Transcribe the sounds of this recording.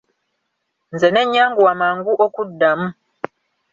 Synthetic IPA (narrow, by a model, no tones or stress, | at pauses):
nze̞ne̞ɲːaːŋɡuwamaːŋɡuʔokudːamu